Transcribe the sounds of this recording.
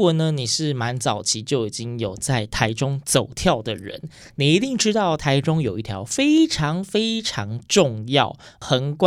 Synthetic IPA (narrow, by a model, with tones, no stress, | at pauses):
ɔ˨˩nə˦ni˨˩ʂɻ̩˥˩ma˧˦˥nt͡sɑ˨˩ʊt͡ɕʰi˧˥t͡ɕjo˥˩ʊi˨˩t͡ɕi˦ŋjo˨˩ʊt͡sa˥˩ɪt̪ʰa˧˥ɪʈ͡ʂʊ˥ŋt͡so˨˩ʊt̪ʰjɑ˥˩ʊd̪ə˩ɻə̰˧˦n | ni˨˩i˧˥t̪i˥˩ŋʈ͡ʂɻ̩˥t̪ɑ˥˩ʊt̪ʰa˧˥ɪʈ͡ʂʊ˥ŋjo˨˩ʊi˥˩t̪ʰjɑ̰˧˥ʊfe˥ɪʈ͡ʂʰɑ˧˥ŋfe˥ɪʈ͡ʂʰɑ˧˥ŋʈ͡ʂʊ˥˧ŋjɑ˥˩ʊxə˧˥nkw